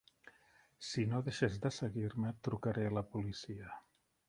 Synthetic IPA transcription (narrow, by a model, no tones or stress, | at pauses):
sinoðeʃezðəsəɣiɾmət̪ɾukəɾeləpulisiə